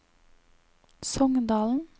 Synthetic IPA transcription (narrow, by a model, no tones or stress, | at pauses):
sɔŋd̪ɑːln̩